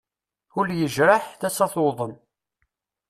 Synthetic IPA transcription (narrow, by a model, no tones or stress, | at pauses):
ʊljəʒɾaħθæsɑθoðˤən